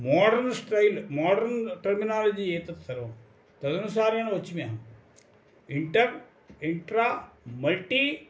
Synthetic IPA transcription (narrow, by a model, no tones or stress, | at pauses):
maːɖɐɾnsʈɾɐjlmaːɖɐɾnʈɐɾminaːlɐd͡ʑieːt̪ɐt̪ːɐɾɐm | t̪ɐd̪ɐnus̬aːɾijaːnʋɐt͡ʃːimijɐɦɐm | iɳʈɐɾ | iɳʈɾaːmɐlʈiː